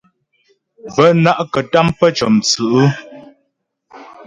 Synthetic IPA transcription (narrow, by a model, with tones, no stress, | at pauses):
bə˦na˦ʔkə˨ta˦mpə˦t͡ʃɔ˨mt͡sɨ˨ʔɨ˦